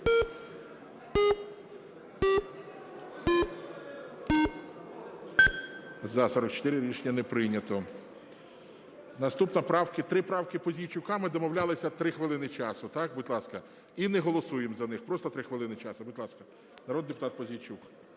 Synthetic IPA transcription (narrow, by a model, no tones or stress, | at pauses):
zɐsɔɾɔkt͡ʃɔ̥t̪ɪɾɪɾʲit͡ʃnʲɐnɛpɾɪjnʲɐt̪ɔ | nɐst̪upnɐpɾɑwkɪt̪ɾɪpɾɑwkɪpɔzʲijt͡ʃʊkɑmɪd̪ɔmɔwlʲalˠɪsʲɐt̪ɾɪxʋelˠɪnɪt͡ʃɑsʊt̪ɑkbʊtʲlˠɑskɐ | inɛɦɔlˠɔsujemzɐnɪxpɾɔst̪ɐt̪ɾɪxʋelˠɪnɪt͡ʃɑsʊbʊtʲlˠɑskɐ | nɐɾɔd̪̚d̪epʊ̥t̪ɑt̪̚pɔzʲijt͡ʃuk